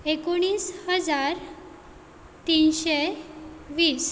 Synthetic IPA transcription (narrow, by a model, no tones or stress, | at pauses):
ekoɽ̃iːshəd͡zaɾ | t̪inɕe | ʋiːs